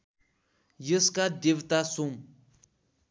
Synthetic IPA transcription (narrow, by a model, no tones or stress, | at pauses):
jəskad̪iʋt̪asum